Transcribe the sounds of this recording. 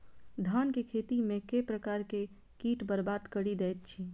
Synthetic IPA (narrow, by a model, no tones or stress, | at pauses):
d̪ʱaːnkekʰeːt̪imẽkepɾəkaːɾke | kiːʈbəɾbaːd̪kəɽid̪ɛːt̪̚t͡ʃʰiː